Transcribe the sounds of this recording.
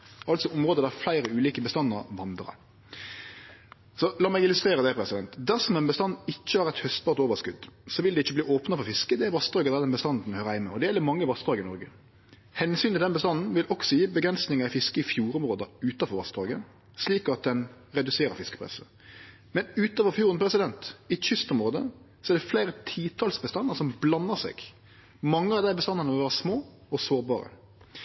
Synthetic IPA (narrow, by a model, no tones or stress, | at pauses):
ɑlt̪sɔʔɔmʁoːd̪əd̪ææflæɪɾəʉːliːkəbəst̪ɑnːəɾʋɑnd̪ɾɑ̰ | sɔlɑːmɛɡɪlʉst̪ʁeːʁəd̪ɛpʰɾɛsɪd̪ɛnt̪d̪æsɔmɛnbəst̪ɑnːɪt͡ʃːəæɾɛt̪hœst̪̚bɑːʁt̪oːʋəskʉd̪sɔʋɪld̪ɛɪt͡ʃːəbliːoːpnɑfɔɾfɪskəd̪ɛæɾʋɑst̪ʁoːɡəd̪æd̪ɛnbəst̪ɑnd̪n̩hœːɾəhæɪmːɛɔd̪ɛjɛlːəmɑŋːəʋɑst̪ʁoːɡəɪnɔɾɡə | hɛnsyːnt̪ɪld̪ɛnbəst̪ɑnn̩ʋɪlʔɔksɔjɪːbəɡɾɛnsnɪŋɑɪfɪskəɪfjuːɾɔmʁoːd̪əʉːt̪ɑfɔɾʋɑst̪ɾɑːɡə | sliːkɑt̪̚d̪ɛn | ɾɛd̪ʉseːɾəɾfɪskəpʰɾɛ̰sə | mɛnʉːt̪ɑːʋɔfjuːɾənpʰɾɛsɪd̪ɛnt̪ɪʏst̪ɔmɾʁoːd̪ə | sɔɛɾd̪ɛfleɪɾət̪ʰiːt̪ʰɑlsbəst̪ɑnːəsɔmblɑnːəsɛ̰ːɡ | mɑŋːəɑʋd̪æɪbəst̪ɑnːɑnəʋʋɑːʁɑsmoː | ɔsoːɾbɑ̰ːɾə̰